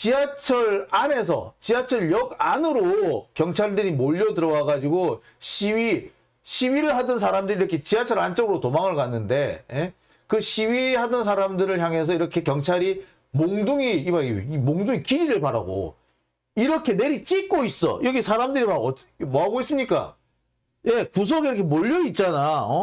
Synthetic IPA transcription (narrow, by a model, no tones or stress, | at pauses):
t͡ɕiat͡ɕʰʌɾane̞s̬ʰʌ̰t͡ɕiat͡ɕʰʌɭjʌɡanɯɾokjʌŋt͡ɕʰaɭdɯɾimoʎːʌdɯɾʌwaɡad͡ʑiɡo | ɕʰiɥi | ɕʰiɥiɾɯɭɦadɯns̬ʰaɾamdɯɾiɾʌkʰe̞t͡ɕiat͡ɕʰʌɾant͡ɕ͈ʌɡɯɾotomaŋɯɭkanːɯnde̞je | kɯɕʰiɥiɦhadɯns̬ʰaɾamdɯɾɯɭçjaŋɦe̞s̬ʰʌiɾʌkʰe̞kjʌŋt͡ɕʰaɾi | moŋduŋiimaɡiimoŋduŋikiɾiɾɯɭpaɾa̰ɡo̰ | iɾʌkʰe̞ne̞ɾit͡ɕ͈ik͈̚ois͈ʌ̰jʔʌɡisʰaɾamdɯɾimaɡʌmoɦaɡois͈ɯmɲik͈a̰ | je̞kus̬ʰʌɡiɾʌkʰemoʎːʌit̚t͡ɕ͈anaʌ